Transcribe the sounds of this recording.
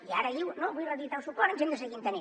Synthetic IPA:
iaɾəðiwnoβujrəðit̪awsupɔɾənʲʒend̪əsəɣint̪əne

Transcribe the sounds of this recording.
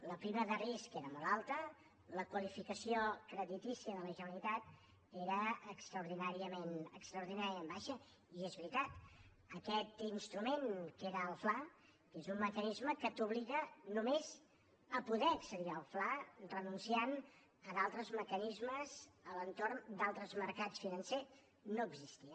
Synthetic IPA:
ləpɾiməðəriskeɾəmolˠalˠt̪ə | ləkwəlifikəsiokɾəðit̪isiəðələʒəəlit̪at̪ | eɾəːkst̪ɾəuɾðinaɾiəmenəkst̪ɾəuɾðinaɾiəmbaʃə | iezβɾit̪at̪ | əkɛt̪inst̪ɾumeŋkeɾəːlˠfla | kezumməkənizməkət̪uβliɣənumez | əpuðɛəksəðiəlˠflarrənunsian | əðalˠt̪ɾəzməkənizməzələnt̪ornd̪alˠt̪ɾəzməɾkat͡sfinənse | noəɡzist̪iə

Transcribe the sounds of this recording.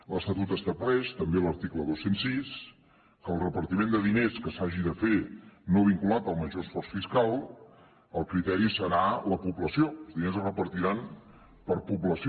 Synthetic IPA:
ləst̪ət̪ut̪əst̪əβlɛʃt̪əmbeləɾt̪ikləðosensːis | kəlˠrəpəɾt̪imẽnd̪əðineskəsaʒiðəfenoβ̞iŋkulat̪əlˠməʒoəsfɔrsfiskalˠ | əlˠkɾit̪ɛɾisəɾaləpubləsioəlˠzðinezərəpəɾt̪iɾan | pəɾpupləsi

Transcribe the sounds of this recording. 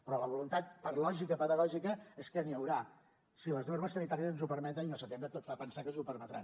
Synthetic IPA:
pɾɔləβulunt̪at̪̚pəɾlɔʒikəpəðəɣɔʒikəeskəniəwɾa | siləznorməsənit̪aɾiəzənzupəɾmɛt̪əniəlˠsət̪embɾət̪ot̪fapənsakənzupəɾmət̪ɾa̰n

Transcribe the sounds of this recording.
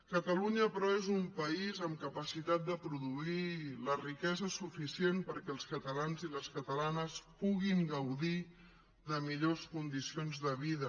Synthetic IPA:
kət̪əluɲəpɾɔezumpəizəmkəpəsit̪at̪̚d̪əpɾuðuilərikɛzəsufisienpəɾkɛlˠskət̪əlanziləskət̪əlanəspuɣiŋɡəwði | ðəmiʎoskund̪isionzðəβ̞iðə

